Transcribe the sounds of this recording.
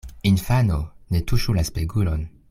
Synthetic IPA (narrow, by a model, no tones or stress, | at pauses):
infanonetuʃulaspeɡulon